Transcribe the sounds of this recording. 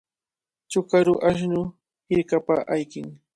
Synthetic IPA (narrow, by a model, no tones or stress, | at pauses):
t͡ʃʊkaɾʊʔaʃ̬nʊ | hɪɾkapaʔajkɪŋ